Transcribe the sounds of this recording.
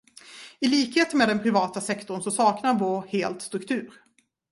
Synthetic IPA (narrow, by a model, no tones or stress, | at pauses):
ɪliːkheːt̪əmeːd̪ɛnpʰɾɪvɑːt̪asɛkt̪ɔɳsɔsɑːknaɾvoːɾheːlt̪st̪ɾɵkt̪ʰʉ̟ːɾ